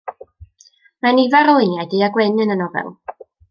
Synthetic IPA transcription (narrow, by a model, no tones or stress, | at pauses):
manivaɾɔɨnjajdiaɡwɛnɨnənɔvɛ̰lˠ